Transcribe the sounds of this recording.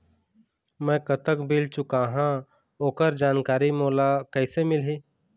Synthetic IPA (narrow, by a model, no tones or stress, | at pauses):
mɛ̃ːkət̪əkbɪlt͡ʃʊkaɦã | oːkəɾd͡ʒaːnkaːɾimoːlakɛɪsemɪlɦiː